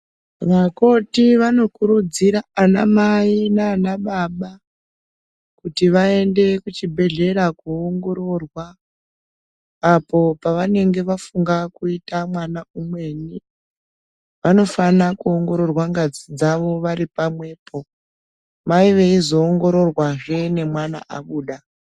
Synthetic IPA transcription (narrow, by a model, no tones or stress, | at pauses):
ʋako̞tiʋano̞kuɾud͡ziɾaːna̰mainaːnaɓaɓa | kutiʋae̞nde̞kut͡ʃibʱe̞ɮe̞ɾakuoŋɡo̞ɾo̞rwa | po̞paʋane̞ŋɡe̞ʋafuŋɡakuitamwanaumwe̞ni | ʋano̞fanakuoŋɡo̞ɾo̞rwaŋɡad͡zid͡zaʋo̞ʋaɾipamwe̞ːpʰo̞ | maiʋe̞izo̞ːŋɡo̞ɾo̞rwaʐe̞ne̞mwana̰ʔa̰ɓuːɗa